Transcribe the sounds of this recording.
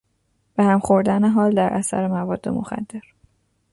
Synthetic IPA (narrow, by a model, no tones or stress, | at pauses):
b̥ehæmχo̞ɾd̪æneɦɒːld̪æɾʔæsæ̰ɾemævɒːd̪ːe̞̰mo̞̰xæ̰d̪ːe̞ɾ